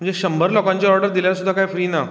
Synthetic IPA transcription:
m̤əɳd͡zd͡ʑeɕəmbʱəɾlɔkãɲt͡ɕaɔɾɖəɾd̪iljasud̪ʱːakajfɾiːna

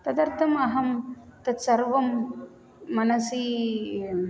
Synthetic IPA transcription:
t̪ɐd̪ɐɾt̪ʰɐmɐɦɐmt̪ɐt̪sɐɾʋɐmː | ɐnɐsi

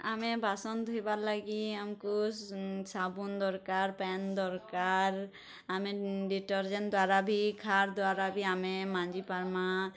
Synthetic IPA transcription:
amebasɔnd̪ʱujbaɾlaɡiamku | sabund̪ɔɾkaɾpɛnd̪ɔɾkaɾ | ameɖiʈɔɾd͡ʒɛnd̪waɾabʱikʰaɾd̪oaɾabʱiamemand͡ʒipaɾma

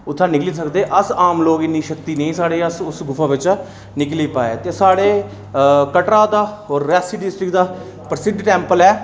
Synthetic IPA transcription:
ʊt̪ʰːãːnɪkliːs̬əkd̪eːʔəsaːmloːkɪnːiːʃəkt̪iːnẽĩːsaːɽeːəsʊsɡʊfʰãːʋɪt͡ʃ | nɪkliːpaːeːt̪eːsaːɽeː | kəʈɾaːd̪aːoːɾːɛːsiːɖɪsʈɾɪkd̪aː | pəɾsɪɖʈɛ̃ːmpəlɛː

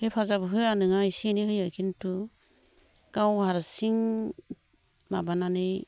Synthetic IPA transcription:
hejpʰazabɯɦɯjanɯŋajsinihɯjajkʰintu | ɡ̥awhaɾsiŋ | mabananɯj

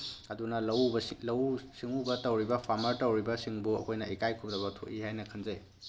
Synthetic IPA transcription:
ɐdunɐlɐwbɐlɐwsiŋubɐtɐwɾibɐpʰaɾmɐɾtɐwɾibɐsiŋbuɐ̰kʰojnɐikajkʰup̚dɐβɐtʰoʔihajnɐkʰɐnzej

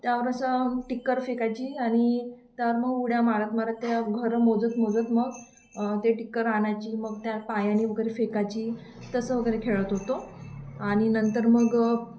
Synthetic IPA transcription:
t̪jaʋəɾəsəʈikːəɾfekat͡ɕiːaɽ̃it̪jaʋəɾməɡuɽjamaɭat̪maɾət̪ːjaaɡʱəɾmod͡zət̪mod͡zət̪məɡ | t̪eʈikːəɾaɳ̃at͡ɕiːməɡt̪japajaniʋəɡəɾefekat͡ɕiː | t̪əsəʋəɡəɾekʰeɭət̪ɦot̪oaɽ̃inənt̪əɾməɡ

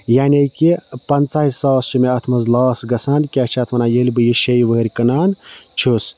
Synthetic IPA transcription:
jaːnʲekipɐnt͡saːɦisɐʋɐst͡ʃimeɐt̪ʰmɐzlaːsɡɐsaːnkʲaːt͡ʃʰiɐt̪ʰmɐnajelʲbɨjiʃejʋəɾʲkɐnaːn | t͡ʃʰus

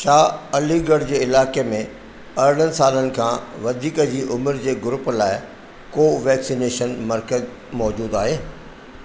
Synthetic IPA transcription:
ʃaːɐliɡəɽd͡ʑeːɪlaːkemẽ | ɐɾɽ̤̃ənɪ̆saːlənɪ̆kʰãːʋɐd̪ʱiːkəd͡ʑiːʔʊmɾd͡ʑeːɡʊɾʊplaːɪ | koːʋɛːksineːʃənmɐɾkəz | mɔːd͡ʑuːd̪aːɦeː

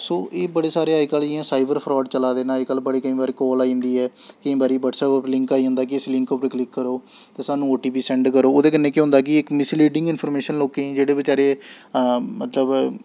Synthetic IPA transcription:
soːʔeːbəɽeːsaːɾeːaːiːkəlɪãːsaːɪbəɾpʰɾɔːɖt͡ʃəlaːd̪eːnãːikəlbəɽiːkəĩːbaːɾiːkɔːlaːĩnd̪iːɛːkəĩːbaːɾiːbəʈsəːbʊpɾlɪ̃ŋkaːiːɦʊ̃nd̪aːkɪɪslɪ̃ŋkopɾeklɪkːəɾoː | t̪eːsaːnũːoːʈiːpiːsɛ̃ːɳɖkəɾoːoːd̪eːkənːẽːkjːɦʊ̃nd̪aːk̬ɪɪkmɪsliːɖɪ̃ŋɡɪnpʰɔːɾmeːʃənloːkeːĩd͡ʒeːɽeːbɪt͡ʃaːɾeː | mət̪ləb

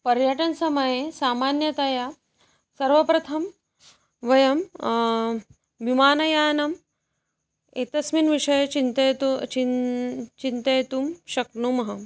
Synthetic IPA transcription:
pɐɾjɐʈɐnsɐmɐjesaːmaːnjɐt̪ɐja | sɐɾʋɐpɾɐt̪ʰɐm | ʋɐjɐm | ʋimaːnɐjaːnɐm | eːt̪ɐsminʋiʂɐjɐt͡ʃint̪ɐt̪i | t͡ʃint̪ɐjt̪umʃɐknumɐɦɐ

